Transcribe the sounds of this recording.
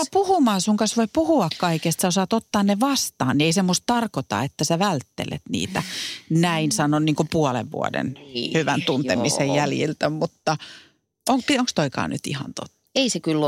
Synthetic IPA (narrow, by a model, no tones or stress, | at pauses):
ɑpuhumɑːsuŋkɑsʋoipuhuɑkkɑeikest̪sæosɑt̪ot̪ːɑːnneʋɑst̪ɑːnnieisemːost̪t̪ɑrkot̪ɑ̰et̪ːæsæʋælt̪ːḛlḛt̪nḭːt̪ænæinsɑnonniːŋkopuɑlḛʋʋṵɔ̰dḛnhyʋænt̪unt̪emisejjæljḭlt̪æmut̪ːɑ | ʔoŋkpioŋkst̪oikɑ̰ːny̰t̪ḭhɑ̰nt̪o̰t̪ːɑeisekylː